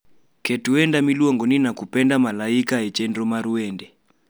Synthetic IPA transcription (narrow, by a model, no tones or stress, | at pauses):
kʰetuɛndamilwɔŋɡɔninakupɛndamalaikaɦɛt͡ʃɛndɔmaɾuwɛːndɛ